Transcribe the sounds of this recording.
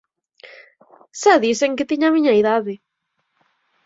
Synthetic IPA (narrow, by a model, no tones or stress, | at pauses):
saðiseŋkɪt̪iɲamiɲaiðaðɪ